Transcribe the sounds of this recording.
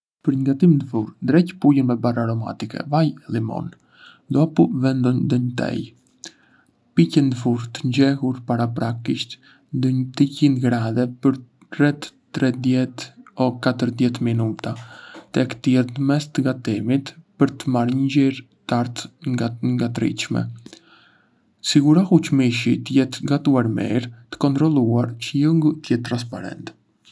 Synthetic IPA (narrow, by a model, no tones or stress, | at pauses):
pəɾɲɡat̪imnd̪əfuɾnd̪ɾɛcpujənmɛbaraɾɔma̰t̪ikɛ̰vajɛlˠimɔ̰n | d̪ɔpuvɛnd̪ɔɲd̪əɲət̪ɛ̰j | picɛnd̪əfuɾt̪əɲd͡ʑɛhuɾpaɾap̬ɾakiʃt̪ | nd̪əɲt̪icinɡɾaðɛpəɾ | rɛt̪ːɾɛd̪jɛt̪ɔkat̪əɾðjɛt̪minut̪at̪ɛkt̪ijɛɾt̪əmɛst̪əɡat̪ɛmit̪pəɾt̪əmaɾɲəd͡ʑiɾ | t̪aɾt̪ŋŋɡat̪ɾḭʃmɛ̰ | siɡuɾahut͡ʃmiʃit̪əjɛt̪ɡat̪uaɾmɛ̰ɾt̪ə̥kɔnt̪ɾɔlˠuaɾt͡ʃəjuŋɡut̪əjɛt̪ːɾans̬pa̰ɾɛ̰nt̪